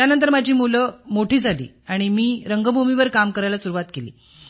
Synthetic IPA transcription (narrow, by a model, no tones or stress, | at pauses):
janənt̪̬əɾmad͡ʑʱiːmuləmoʈʰiːd͡zʱalḭː | aɽ̃imiːɾəŋɡəbʱumiʋəɾkamkəɾajlasuɾuʋat̪kelḭː